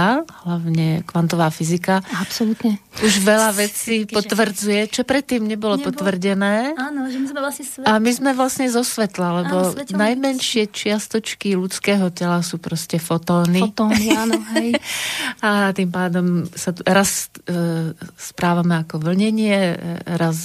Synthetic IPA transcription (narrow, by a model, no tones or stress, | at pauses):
aɦlaʊɲɛkʋant̪ɔʋaːfizikaapsɔlut̪ɲɛuʒʋɛlaʋɛt͡sipɔt̪ʋr̩d͡zujɛt͡ʃɔpɾɛt̪ːiːmɲɛbɔlɔpɔt̪ʋr̩ɟɛnɛːanɔʒmizmɛlasamizmɛʋlasɲɛzɔsʋɛt̪lalɛbɔnajmɛnʃɪɛt͡ʃɪast̪ɔt͡ʃkilut͡skɛːɦɔcɛlasuːpɾɔscɛfɔt̪ɔːnit̪ɔɦj | at̪impaːd̪ɔmsaɾas | spɾaːʋamɛakɔʋl̩ɲɛɲɪɛɾas